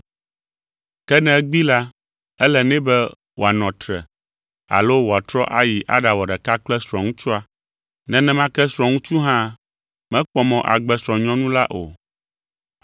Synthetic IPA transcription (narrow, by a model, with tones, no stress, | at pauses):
kɛ˦nɛ̃˦ɡ͡bi˦la˦ | ɛ˦lɛ˨nɛ̃˦bɛ˦ | wo˨a˨nɔ̃˨t̪ɾɛ̰˨ | a̰˨lo˦wo˨a˨t̪ɾɔ˦ʔa˦ji˨ʔa̰˦ɖa˨wɔ˨ɖɛ˨ka˦k͡plɛ˦sɾɔ̃˨ŋũ˦t͡ʃu˦a˦ | nɛ̃˦nɛ̃˦mã˦kɛ˦sɾɔ̃˨ŋũ˦t͡ʃu˦ɦã˦ | mɛ̃˦k͡pɔ˦mɔ̃˨ʔa̰˨ɡ͡bɛ˦sɾɔ̃˨ɲɔ̃˦nũ˦la˦ʔo̰˨